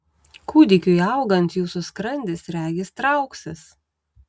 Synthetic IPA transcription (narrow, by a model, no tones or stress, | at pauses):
kʰuːd̪ʲɪkʲʊɐʊɡɐnt̪juːsʊskɾɐnʲd̪ʲɪsɾʲæːɡʲɪst̪ɾɐʊksʲɪs